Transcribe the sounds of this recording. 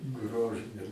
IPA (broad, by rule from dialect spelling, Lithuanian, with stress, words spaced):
ˈɡroːʒɨnʲɛ